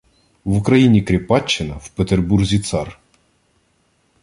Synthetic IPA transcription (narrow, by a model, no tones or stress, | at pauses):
ʋʊkɾɐjinʲikɾʲɪpɑt͡ʃːɪnɐw̥pet̪erburzʲit̪sɑr